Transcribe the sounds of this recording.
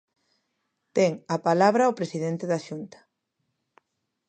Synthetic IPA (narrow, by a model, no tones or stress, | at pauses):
t̪eŋapalaβ̞ɾaopɾesiðent̪eðaʃunt̪ḁ